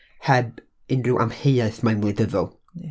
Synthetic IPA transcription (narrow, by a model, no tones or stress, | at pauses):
hɛb | ɪnrɪwʔa̰mheɨaɨθmajnmlˠɨdəðɔlˠ